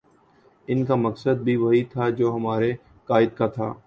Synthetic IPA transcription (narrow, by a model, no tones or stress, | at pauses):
ɪnkaməksəd̪̚bʱiʋɐɦit̪ʰad͡ʒoːɦɐmaːɾe | kaːɪd̪̚kat̪ʰa̰ː